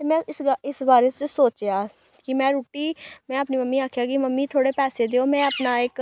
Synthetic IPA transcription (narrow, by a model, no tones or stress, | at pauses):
t̪eːmɛ̃ːɪɪsbaːɾeːt͡ʃəsoːt͡ʃjaː | kɪmɛ̃ːɾuːʈiːmɛ̃ːəpniːməmːiːaːkʰjaːkɪməmːiːt̪ʰoːɽeːpɛːseːd̪eːoːmɛ̃ːəpnaːɪk